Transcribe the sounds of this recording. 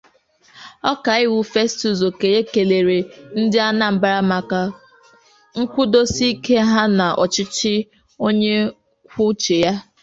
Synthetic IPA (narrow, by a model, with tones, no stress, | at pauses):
ɔ˦ka˨˦ɪ˦wu˦fe˦stu˨zo˨ke˨e˦ke˨le˨ɾe˨n̩˦dɪ˦a˦na˨m̩˨ba˦ɾa˦ma˨ka˨ | ŋ̩˦kʷʊ˦do˦si˦ke˦ɦa˦na˨ʔɔ˨t͡ʃɪ˦t͡ʃɪ˦ | o˦ɲe˦ | kʷʊ˦t͡ʃe˨ja˦